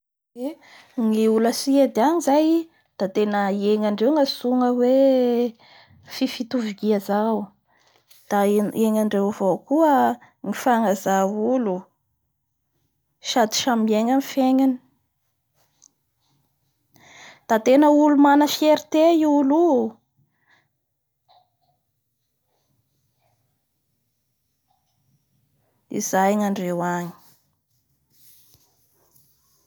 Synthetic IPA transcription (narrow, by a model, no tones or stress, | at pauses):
e | ŋiuləsied̪aɲizaj | d̪̥at̪enəieŋaɳɖ͡ʐewŋasuŋəwe | fifit̪uviɡiəzaw | d̪̥aeŋaɳɖ͡ʐewvokuə | ŋifaŋazaulu | ʃad̪i̥ʃamieŋanifeɲani̥ | d̪̥at̪enəulumanəfieɾit̪eulu | ḭzajŋaɳɖ͡ʐewaɲi̥